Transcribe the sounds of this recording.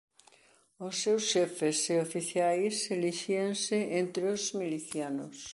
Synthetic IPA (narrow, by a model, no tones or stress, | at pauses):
ʊsːewsʃɛfeseofiθjajseliʃiensɪʔent̪ɾeozmiliθjano̰s